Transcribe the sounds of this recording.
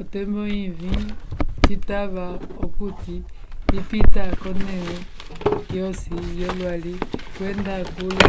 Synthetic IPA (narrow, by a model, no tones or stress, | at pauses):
ɔtɛmbɔivititaβaɔkuti | ipitakɔnɛnɛ | jɔsijɔlwalikwɛndakulu